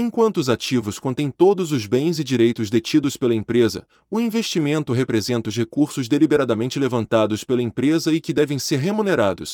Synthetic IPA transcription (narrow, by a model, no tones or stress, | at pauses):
ẽkwɐ̃nt̪ʊʊzat͡ʃivʊskõnt̪ẽj̃t̪od̪ʊzʊzbẽj̃zɪd͡ʒiɾejt̪ʊzd̪et͡ʃid̪ʊspelɐĩpɾezɐ̰ | ʊĩveʃt͡ʃimẽnt̪ʊɦepɾezẽnt̪ɐʊs̬hekuɾsʊzd̪elibeɾad̪ɐmẽnt͡ʃɪlevɐ̃nt̪ad̪ʊspelɐĩmpɾezɐɪkɪd̪ɛvẽj̃seɾɦemuneɾad̪ʊ̰s